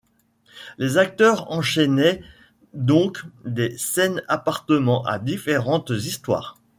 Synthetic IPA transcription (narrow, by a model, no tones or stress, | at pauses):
lezak̚t̪œʁɑ̃ʃɛnɛ | d̪ɔ̃kd̪esɛnapaʁt̪əmɑ̃ʔa̰d̪ifeʁɑ̃t̪zist̪wa̰ːʁ